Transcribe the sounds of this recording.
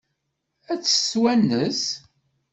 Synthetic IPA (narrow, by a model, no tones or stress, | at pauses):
æt͡sːə̥swænːəs